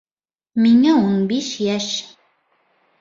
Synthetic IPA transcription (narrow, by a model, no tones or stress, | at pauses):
miŋæunbiʃjæʃ